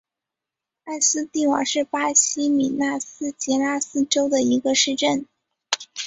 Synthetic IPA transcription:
a˥˩ɪsɹ̩˥t̪i˥˩wɑ̰˧˥ʂɻ̩˥˩pa˥ɕʰi˥mi˨˩na˥˩sɹ̩˥t͡ɕjɛ˧˥na˥sɹ̩˥˩ʈ͡ʂo˥ʊd̪ə˨i˧˥ɡə˧ʂɻ̩˥˧ʈ͡ʂə˥˩n

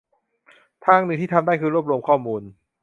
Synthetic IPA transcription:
t̪ʰaː˥˩ŋnɯː˧˨˩t̪ʰiː˥˩a˧mdaː˥˩jkʰɯː˧ɾu˥˩əp̚ɾu˧əmkʰɔː˥˩muː˧n

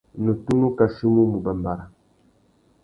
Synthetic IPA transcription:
nə˨tu˦nu˦ka˨ʃi˦mu˦mu˨ba˨mba˨ɾa˨

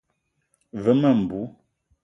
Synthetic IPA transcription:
və˨˦mə˦˨m̩˨bu˨˦

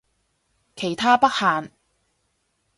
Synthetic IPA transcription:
kʰe˨˩jt̪ʰaː˥pɐ˥k̚haː˨n

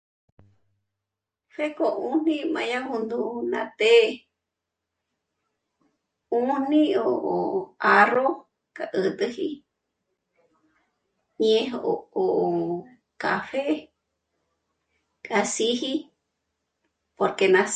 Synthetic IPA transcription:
fe˦ko˧ʔũ˧n̥ĩ˧mã˧ja˦hũ˧nd̪u˧nã˧t̪e˦ | u˦n̥ĩ˦o˧o˨a˧ro˦ | kʼa˨ʔɨ˧t̪ɨ˧hi˧ | ɲẽ˧ɦo | kafe˦ | kʼa˧si˦hi˦ | po˧ɾke˧nã˧

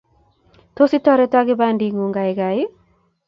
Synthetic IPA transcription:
t̪o˦si˦tɔ˦ɾe˦ta˦ɡi˦ba˦ndi˨ŋu˨ŋɡa˨jɡa˨j

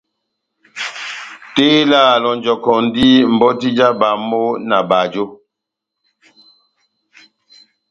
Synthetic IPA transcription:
teː˦laː˦˨lɔ˨n˨d͡ʒɔ˨kɔ˨n˦di˦m̩˨bɔ˦ti˦d͡ʒa˦ba˨mo˦na˨ba˨d͡ʒo˦

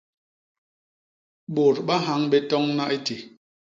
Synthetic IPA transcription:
ɓo˨ɾɓa˦ɦa˨˦ŋɓɛ˦tɔ˦ŋna˦ʔe˦te˨

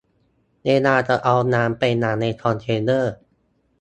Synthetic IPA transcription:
neː˧naː˧˩t͡ɕa˨˩ʔa˧wnaː˧˦˥mpa˧jna˩˦ŋna˧jkʰɔː˧nt̪ʰeː˧nɤː˥˩

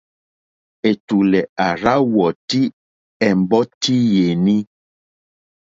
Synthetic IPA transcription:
e˨tu˨lɛ˨a˨ɾa˦wɔ˨ti˦ | ɛ˨m˨bɔ˦ti˦je˨ni˦

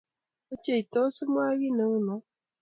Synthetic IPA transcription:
o˦t͡ʃe˦˨i˨tɔ˦su˦mwa˦ɣi˦nə˨˦ŋu˦nɔ˨˦

